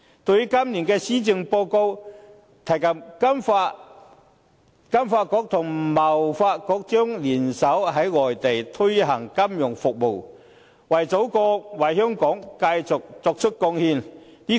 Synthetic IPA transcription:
t̪o˧wjy˥kɐ˥mliː˨˩nkɛː˧siː˥t͡sɪ˧ŋpoː˧ko˧w | t̪ʰɐ˨˩jkɐ˨˩mkɐ˥mfaː˧ | kɐ˥mfaː˧t̚kɔː˧˥k̚t̪ʰʊ˨˩ŋmɐ˨˩wfaː˧t̚kɔː˧k̚t͡ʃœː˥ŋliː˨˩nsɐ˨˥wɦɐ˨˥jŋɔː˨˩jt̪e˨jt̪ʰɵ˥ɥɦɐ˨˩ŋkɐ˥mjʊ˨˩ŋfʊ˨k̚mo˨w | wɐ˨˩jt͡so˨˥wkɔː˧wɐ˨˩jɦœː˥ŋkɔː˨˥ŋka˧jt͡sʊ˨k̚t͡sɔː˧k̚t͡ʃʰɵ˥t̚kɔː˧ŋhiː˧nniː˥

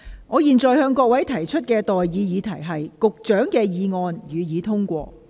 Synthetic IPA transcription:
ŋɔː˨˧jiː˨nt͡sɔː˨jhœː˧ŋkɔː˧k̚wɐ˨˥jt̪ʰɐ˨˩jt͡ʃʰɵ˥t̚kɛː˧t̪ɔː˨jːiː˨˧jiː˨˧t̪ʰɐ˨˩jɦɐ˨jkʊ˨k̚t͡ʃœː˨˥ŋkɛː˧jiː˨˧ŋɔː˧njyː˨˧jiː˨˧˥t̪ʰʊ˥ŋkʷɔː˧

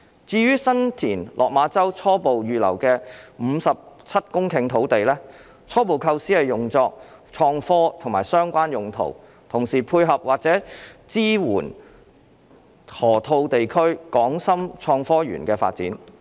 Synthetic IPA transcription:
t͡siː˧ɥyː˥sɐ˥nt̪ʰiː˨˩nlʔɔ̰ː˨k̚maː˨˧t͡sɐ˥wt͡sʰɔː˥po˨wjyː˨lɐ̰˨˩wkɛː˧m̩˨˧sɐ˨p̚t͡sʰɐ˥t̚kʊ˥ŋkʰɪ˨˧ŋt̪ʰo˨˥wt̪e˨jlɛː˥ | t͡sʰɔː˥p̬o˨wkʰɐ˧wsiː˥hɐ˨jʊ˨ŋt͡sɔː˧k̚t͡ʃʰɔː˧ŋfɔː˥t̪ʰʊ˨˩ŋma̰ː˨jsœː˥ŋkʷaː˥njʊ˨ŋt̪ʰo̰˨˩w | t̪ʰʊ˨˩ŋsiː˨˩pʰuː˧jɦɐ˨p̚waː˨k̚t͡sɛː˨˥t͡siː˥wuː˨˩n | hɔː˨˩t̪ʰo˧wt̪e˨jkʰɵ˥ɥkɔː˨˥ŋsɐ˥mt͡ʃʰɔː˧ŋfɔː˥ɥy̰ː˨˩nkɛː˧fa̰ː˧t̚t͡siː˨˥n

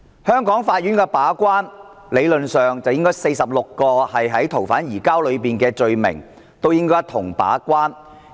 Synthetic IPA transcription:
hœː˥ŋkɔː˨˥ŋfaː˧t̚jy˨˥nkɛː˧paː˨˥kʷwaː˥nle˨˧jlɵ˨nsœː˨ŋt͡sɐ˨wjɪ˥ŋkɔː˥jse˧jsɐ˨p̚lʊ˨kːɔː˧hɐ˨jɦɐ˨˥jt̪ʰo˨˩wfaː˨˥njiː˨˩kaː˥wlɵ˨˧ɥpiː˨nkɛː˧t͡ʃɵ˧ɥmɪ̰˨˩ŋ | t̪o˥wjɪ˥ŋkɔː˥jt̪ʰʊ˨˩ŋpa̰ː˨˥kwaː˥n

